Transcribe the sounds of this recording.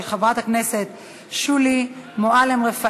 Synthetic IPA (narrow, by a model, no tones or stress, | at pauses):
lχavʁat̪hakneset̪ | ʃulimoalemʁefa